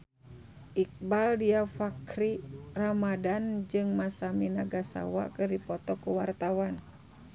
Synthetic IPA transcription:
ʔik̚baldiafakɾiramadand͡ʒɨŋmasaminaɡasa̰wa̰kɨrdipɔt̪ɔkuwart̪awan

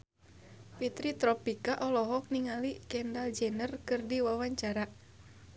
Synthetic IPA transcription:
pit̪ɾit̪ɾɔpikaʔɔlɔɦɔk̚niŋalikɛndald͡ʒɛnərkɨrdiwawaɲt͡ʃaɾa

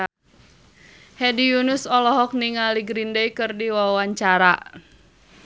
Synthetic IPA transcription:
hɛdijunusɔlɔɦɔk̚niŋaliɡɾindejkɨrdiwawaɲt͡ʃaɾa̰

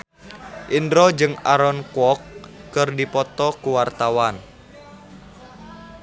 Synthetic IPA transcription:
ʔindɾɔd͡ʒɨŋaɾɔnkwɔkːɨrdipɔt̪ɔkuwart̪awan

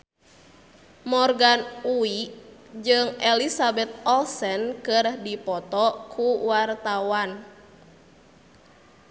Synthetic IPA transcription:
mɔrɡanuid͡ʒɨŋɛlisabɛt̪̚ɔlsɛnkɨrdipɔt̪ɔkʰuwart̪awan

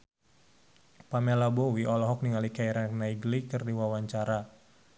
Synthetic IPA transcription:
pamɛlabɔwiʔɔlɔɦɔk̚niŋalikaiɾanaiɡlikɨrdiwawaɲt͡ʃaɾa

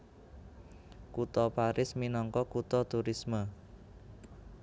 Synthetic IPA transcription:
kut̪ɔpaɾɪsminɔŋkɔkut̪ɔt̪uɾismə

